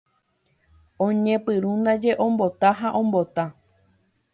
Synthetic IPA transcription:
õɲẽpɨɾũnd̪ad͡ʒe̞ʔõ̞mbo̞t̪aɦaʔõ̞mbo̞t̪a

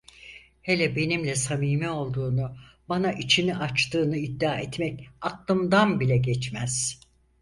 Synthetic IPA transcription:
helʲɛbe̞nimlʲɛsamiːmɛo̞lˠd̪uːnubanaʔit͡ʃʰiniʔat͡ʃt̪ʰɯːnɯid̪ːaːɛt̪mɛcaklˠɯmd̪anbilʲɛɟɛt͡ʃmæz̥

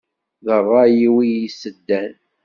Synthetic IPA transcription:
ðərˤːɑjiwijisəd̪ːæn

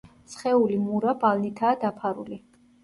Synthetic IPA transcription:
sχɛulimuɾabalnit̪ʰaːd̪apʰaɾṵli

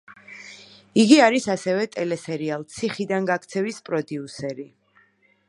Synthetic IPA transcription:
iɡiaɾisasɛvɛt̪ʼɛlɛsɛɾialˠt̪sʰiχid̪anɡak̚ʰt̪sʰɛvispʼɾɔd̪iusɛɾi

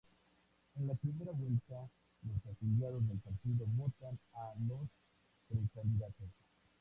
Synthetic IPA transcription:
e̞nlapɾime̞ɾaβwe̞lt̪a | losafid̪jaðo̞zðelpaɾt̪iðo̞βo̞t̪analos | pɾesand̪iðat̪os

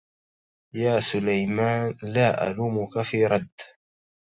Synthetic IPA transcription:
jaːsʊlajmaːnlaːʔa̰luːmʊkafiːɾˤɑd̪ː

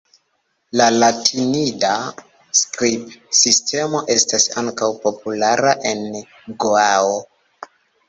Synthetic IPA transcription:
lalatʰinida | skɾipsistʰe̞mo̞ʔe̞stasaŋkawpo̞pulaɾaʔe̞n | ɡoao

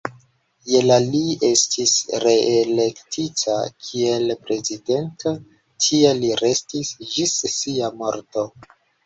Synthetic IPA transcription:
je̞laliestʰisɾe̞ʔele̞ktʰitʰa̰kʰie̞lpɾe̞zide̞ntʰo | tʰieliɾe̞stisd͡ʒissiamo̞ɾto̞

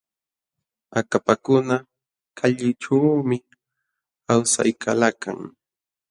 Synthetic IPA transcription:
akapakʊna | kʰaʎɪʈ͡ʂaːmɪ | awsa̰jkalaka̰ŋ

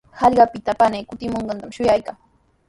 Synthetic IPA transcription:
hɑʎɢɑpɪt̪apanejkʊt̪ɪmoɴɢɑnt̪amʃʊjajkaŋ

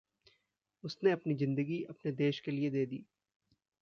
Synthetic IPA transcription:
ʊsneɐpnizɪ̃nd̪əɡiʔɐpned̪eːʃkelied̪eːd̪ḭː

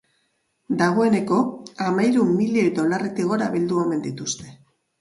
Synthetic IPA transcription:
d̪aɣ̞o̞e̞ne̞ko̞amajɾumːilied̪o̞laret̪iɣ̞o̞ɾaβild̪ueme̞nd̪it̪ust̪e̞̥

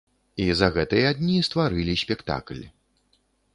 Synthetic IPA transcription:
izɐɣɛt̪ɨjɛad̪ʲnʲist̪vaɾɨlʲisʲpʲɛkt̪a̰klʲ

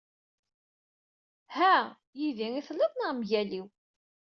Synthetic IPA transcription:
hæ | jiðiŋiθlːəðnəʁmʝæliw

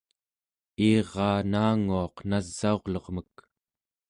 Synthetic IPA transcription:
iːʁɑːnaːŋuɑqnazːao̞ʁlʌʁmək̚

